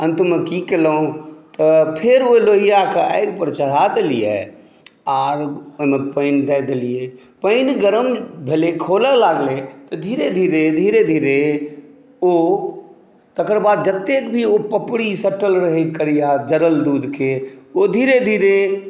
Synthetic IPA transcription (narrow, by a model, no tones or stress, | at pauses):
ə̃nt̪məkikeləõt̪ɔpʰɪɾoloːɦijakaə̰ɪɡpəɾt͡ʃəɾ̤ad̪elijḛ | aːɾməpəɪnd̪ɛd̪elije | pəɪnɡəɾəmbʱelekʰoːləlaːɡlet̪ɔd̪ʱiːɾed̪ʱiːɾed̪ʱiːɾed̪ʱiːɾe | o | t̪əkəɾbaːd̪̚d͡ʒət̪ːeːkbʱiopəpɽisəʈəlɾəɦekəɾijad͡ʒəɾəld̪uːd̪keod̪ʱiːɾed̪ʱiːɾe